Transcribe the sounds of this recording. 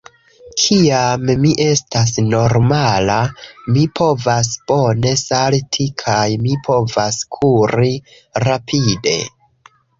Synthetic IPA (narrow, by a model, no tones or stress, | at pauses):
kʰiammiʔe̞stas̬no̞ɾmalamipʰo̞vas̬b̥o̞ne̞saltʰikʰajmipʰo̞vaskʰuɾi | ɾapʰide̞̰